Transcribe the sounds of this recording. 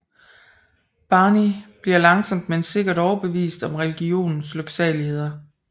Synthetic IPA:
b̥ɑ̈ːnib̥liɐlɑ̈ŋsɒ̽m̰d̥mense̝ɡ̥ɐɾ̥ɒʊɐb̥e̝ʋḭːsd̥ɒ̽mʁɛliɡ̥io̝̰ːnn̩sløɡ̥sɛlihe̝ð̞̰ˠɐ

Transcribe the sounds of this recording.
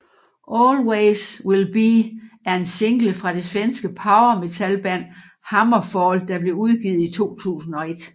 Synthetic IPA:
ʔɒɔːlweɪswelb̥iæɐe̝nse̝ŋɡ̥ləfʁɑ̈d̥e̝sʋensɡ̥əpʰɑ̈ʊɐme̝t͡sʰælb̥æn̰ | hɑ̈mɐfɒld̥ɑ̈b̥le̝uð̞ˠɡ̥iːð̞̩ˠit͡sʰo̝̰ːt͡sʰṵːsn̩ɒ̽e̝d̥

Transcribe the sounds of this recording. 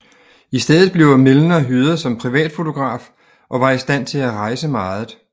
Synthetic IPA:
isd̥eðˠð̩ˠb̥le̝ʊmelnəɒɦyðˠɐsɒ̽mpʰʁiʋɛ̰ːd̥fo̝t͡sʰo̝ɡ̥ʁɑ̰̈ːf | ʔɒ̽ʋɑ̈isd̥æn̰t͡sʰe̝læʁɑ̈ɪsəmɑ̈ːð̩ˠ

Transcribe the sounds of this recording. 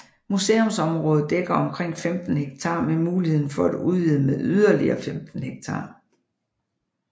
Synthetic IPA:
muse̝̰ːomsɒ̽mʁɔːð̞̩ˠd̥eɡ̥ɐɒ̽mkʰʁeŋ̰femd̥n̩heɡ̥̚t͡sʰɑ̈ːmemuːlihe̝ð̞ˠn̩fɒæd̥uðˠʋið̩̰ˠmeðˠyð̞ˠɐliɐːfemd̥n̩heɡ̥̚t͡sʰɑ̈ː

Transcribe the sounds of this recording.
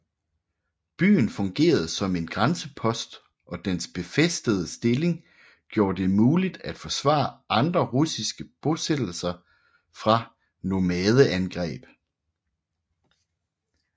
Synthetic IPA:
b̥y̰ːn̩fɔ̽ŋɡ̥e̝̰ːɐð̞̩ˠsɒ̽me̝nɡ̥ʁansəpʰɒ̽sd̥ | ʔɒ̽d̥ensb̥e̝fesd̥əð̞ˠəsd̥e̝le̝ŋ | ɡ̥jo̝ːɐd̥e̝muːlid̥æd̥fɒ̽sʋɑ̰̈ːʔɑ̈nd̥ʁɐʁusisɡ̥əb̥ɔsed̥l̩sɐ | fʁɑ̈ | nomɛːð̞ˠəʔænɡ̥ʁɛ̰ːb̥

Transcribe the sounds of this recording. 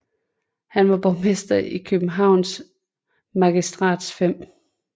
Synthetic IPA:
hænʋɑ̈b̥ɒʊmesd̥ɐikʰøb̥n̩ɦɑ̈ʊ̰ns | mæɡ̥isd̥ʁɑ̰̈ːd̥sfem̰

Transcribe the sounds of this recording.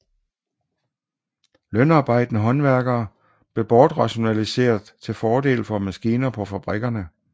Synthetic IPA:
lœnɑ̈ːb̥ɑ̈ɪ̰d̥nəɦɒ̽nʋæɐɡ̥ɐː | b̥le̝b̥ɒːd̥ʁɑ̈ɕo̝nælise̝̰ːɐðˠt͡sʰe̝lfɒːd̥e̝̰ːlfɒ̽mæsɡ̥iːnɐpʰɒ̽fæb̥ʁɛɡ̥ɐnə

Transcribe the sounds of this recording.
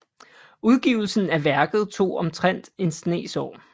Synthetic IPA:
uðˠɡ̥iːʊ̰l̩sn̩æʋæɐɡ̥ð̞̩ˠt͡sʰo̝̰ːɒ̽mt͡sʰʁan̰d̥e̝nsne̝̰ːsɒ̰ː

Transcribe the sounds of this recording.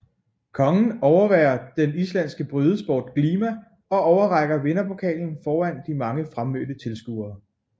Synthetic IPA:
kʰɒ̽ŋn̩ɒʊɐʋɛːɐd̥enislæn̰sɡ̥əb̥ʁyð̞ˠəsb̥o̰ːd̥kliːmæ | ɒ̽ɒʊɐʁɑ̈ɡ̥ɐʋe̝nɐpʰo̝kʰɛ̰ːln̩fɒːæn̰d̥imɑ̈ŋəfʁamːød̥ət͡sʰe̝lsɡ̥uðˠɐː

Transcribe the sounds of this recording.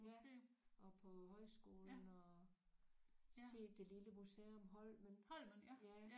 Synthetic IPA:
jæʔɒ̽pʰɒ̽ɦɒ̽ɪsɡ̥o̝ːln̩ɒ | se̝̰ːd̥e̝liləmuseomɦɒ̽l̰mennjæ

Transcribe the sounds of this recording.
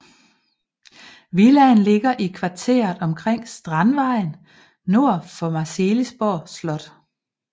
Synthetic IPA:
ʋilænle̝ɡ̥ɐʔikʰʋɑ̈t͡sʰe̝̰ːɐðˠɒ̽mkʰʁeŋ̰sd̥ʁɑnʋɑ̈ɪ̰n | no̝ɐ̰fɒ̽mɑ̈selisb̥oɐ̰slɒ̽d̥

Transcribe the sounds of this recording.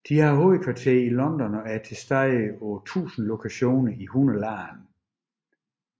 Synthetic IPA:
d̥ihɑ̈ɦoːð̩ˠkʰʋɑ̈t͡sʰe̝̰ɐilɒ̽nd̥ɒnɒ̽æɐt͡sʰe̝sd̥ɑɪɒt͡sʰṵːsn̩lo̝kʰæɕo̝̰ːnɐihunəlɑːn

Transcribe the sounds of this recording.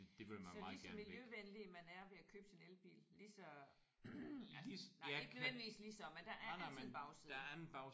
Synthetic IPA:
d̥e̝ʋemænsɒ̈isæɐmiljøʋenlimænæɐʋe̝ækʰøːb̥sinelb̥ḭːllisɒ̽ | ieɡnøʋend̥iʋḭːslisɒ̽mend̥æ̈ʔæɐb̥ɑ̈ʊsi̥ːɐænn̩b̥ɑ̈ʊ

